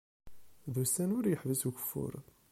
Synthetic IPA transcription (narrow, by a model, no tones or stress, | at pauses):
ðusænʊɾjəħvəsuçə̥fːʊ̰ɾ